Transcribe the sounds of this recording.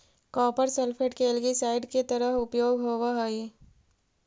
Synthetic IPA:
kɔːpəɾselpʰeːʈkeɛlɡisaːɪɖket̪ɐɾəɦʊpjoːɡɦoːʋaɦoi

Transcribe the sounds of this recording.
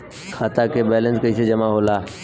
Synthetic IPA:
kʰaːt̪akebɛːlə̃nskɐised͡ʒɐmaɦoːlaː

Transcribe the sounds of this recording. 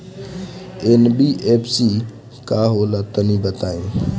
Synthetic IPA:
enbiːʔeːpʰsi | kaːɦoːlat̪ənĩːbət̪aːĩː

